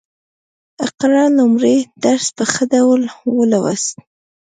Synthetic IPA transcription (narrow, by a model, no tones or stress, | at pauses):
aqɾɑlʊmɾed̪̥aɾspəxəd̪awlwəlawa̰st̪̚